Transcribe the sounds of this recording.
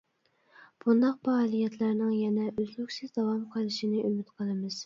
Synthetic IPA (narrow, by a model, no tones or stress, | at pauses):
b̥und̪ɑq̚pɑːlˠijɛt̪ʰlæɾnɪŋjɛnɛʔøzlykʲsɪzd̪ɑwɑmqʰəlˠɨʃinɨʔymyt̪qʰəlˠɨmɨz̥